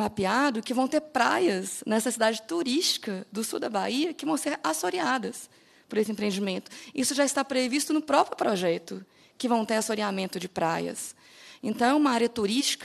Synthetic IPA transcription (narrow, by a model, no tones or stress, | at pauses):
mapiad̪ʊkɪvɐ̃w̃t̪eɾpɾajɐsnɛsɐsid̪ad͡ʒɪt̪uɾiʃt͡ʃi̥kɐd̪ʊsṵwd̪ɐbaiɐkɪvɐ̃w̃seɾasoɾiad̪ɐs | pʊɾesɪẽmpɾẽd͡ʒɪmẽnt̪ʊ̥isʊʒaɪst̪apɾevist̪ʊnʊpɾɔpɾjʊpɾɔʒɛt̪ʊ | kɪvɐ̃w̃t̪eɾasoɾiamẽnt̪ʊd͡ʒɪpɾa̰jɐ̰s | ẽnt̪ɐ̃w̃ɛũmɐaɾjɐt̪uɾist͡ʃi̥k